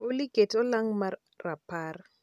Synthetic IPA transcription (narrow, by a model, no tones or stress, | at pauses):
olikʼetɔlaŋma | rapʰar